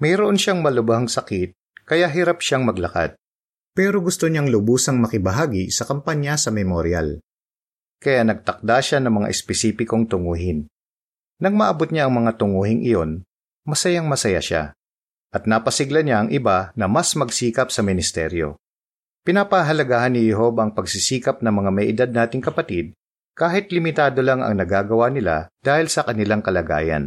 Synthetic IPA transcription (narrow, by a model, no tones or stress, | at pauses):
mɐjɾoʔo̞nʃaŋmɐlʊbɐɦaŋsɐkɪt̪̚kɐjaɦɪɾapʃaŋmɐɡlɐka̰t̪̚ | pɛːɾoɡʊst̪oɲaŋlʊbuːsɐŋmɐkɪbɐɦaːɡisɐkɐmpaɲjasɐmɛmoɾja̰l | kɐjanɐɡ̚t̪ɐk̚d̪aʃanɐŋmɐŋa̰ʔɪspɛsiːpɪko̞ŋt̪ʊŋuːɦɪn | nɐŋmɐʔɐbot̪̚ɲaʔɐŋmɐŋat̪ʊŋuːhɪŋʔɪ̰jo̞n | mɐsɐjaŋmɐsɐja̰ʃa̰ | ʔɐt̪̚napɐsɪɡlɐɲaʔɐŋʔɪbanɐmasmɐɡsiːkɐpsɐmɪnɪst̪ɛ̰ɾjo̞̰ | pɪnapɐɦɐlɐɡaːhɐnːɪjɛɦo̞baɐŋpɐɡsisiːkɐp̚nɐŋmɐŋamɐjʔɪd̪ad̪̚naːt̪ɪŋkɐpɐt̪id̪̚ | kaːɦɪt̪lɪmɪt̪aːd̪o̞laŋɐ̰ŋnɐɡaːɡɐwanɪla̰d̪̥aːhɪlsɐkɐnɪlaŋkɐlɐɡa̰ːjɐ̰n